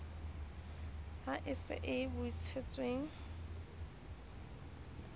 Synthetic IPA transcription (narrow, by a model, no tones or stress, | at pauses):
aʔɪsɪ̰ʔɪbʊit͡sʰet͡sʼweŋ̩